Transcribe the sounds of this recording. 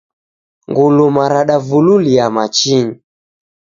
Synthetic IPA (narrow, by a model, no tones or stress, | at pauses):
ŋɡulumaɾaɗavululiamat͡ʃiɲi